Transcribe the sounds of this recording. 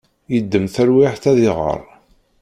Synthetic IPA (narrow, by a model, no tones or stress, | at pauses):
jəd̪ːəmθəɾwiħθæðɪʁə̰ɾˤ